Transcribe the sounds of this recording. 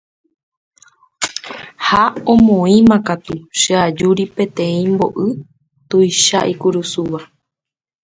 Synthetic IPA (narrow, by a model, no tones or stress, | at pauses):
haõmõĩmãkat̪uʃɨad͡ʒuɾipẽ̞t̪ẽ̞ĩmbo̞ʔɨ | t̪ujʃa̰ʔikuɾusuʋa